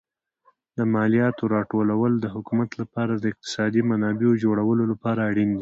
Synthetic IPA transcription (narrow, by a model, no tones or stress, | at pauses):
d̪əmɑlijɑt̪oɾɑʈolawəld̪əɦʊkumat̪lapɑɾad̪əɪq̚t̪ɪ̥sɑd̪imanɑbeod͡ʒoɽawəlolapɑɾaːɽind̪i